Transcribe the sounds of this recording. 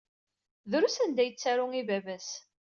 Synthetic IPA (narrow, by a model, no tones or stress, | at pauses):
ðɾusænd̪æjət͡sːæɾʊŋivævæs